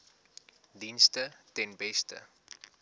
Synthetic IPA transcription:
dinstətɛnbɛstə̰

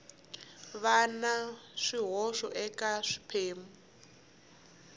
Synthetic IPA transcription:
βanaʂiɦɔʂɔʔɛkaʂi̥pʰeːmu

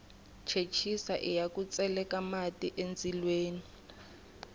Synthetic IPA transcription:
t͡ʃʰet͡ʃʰisa̰ʔijakʼut͡sʼɛlɛkamatʼiʔend͡zilweːni

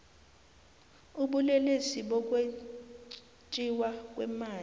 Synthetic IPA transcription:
uɓulɛlesiɓɔk̬ʼwe | t͡ʃʼiwak̬ʼwɛ̰maː

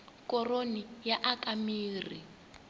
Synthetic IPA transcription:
kɔronijaʔakamiːri

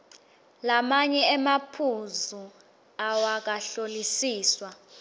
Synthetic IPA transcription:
lamaɲɛɛmapʰuzu | awak̬ʼaɬolisiːswa

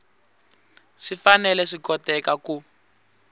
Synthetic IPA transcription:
ʂifanɛlɛʂikɔtɛkaku

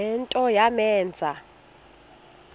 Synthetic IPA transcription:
ɛntʼɔjamɛːnd͡zʱa

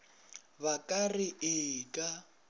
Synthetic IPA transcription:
bakʼarɪʔɪkʼa

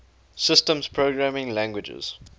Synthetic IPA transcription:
sɪstə̃mspʰɹoɡɹamɪ̃ŋlæ̃ŋɡwɪd͡ʒə̰z̥

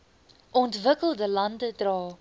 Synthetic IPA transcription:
ʔɔntvəkəlˠdəlɐndədrɑː

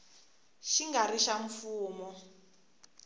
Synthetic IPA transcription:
ʃiŋɡariʃaɱfuːmɔ

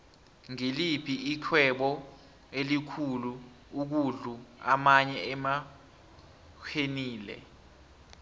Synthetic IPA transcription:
ŋelipʰiikʰwɛɓɔ | elikʰulu | uk̬uɮua̰maɲɛɛma | kʰeniːlɛ̰

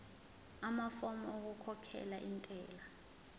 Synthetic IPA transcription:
amafɔmɔok̬ukʰɔkʰɛ̰laʔintʼɛːla

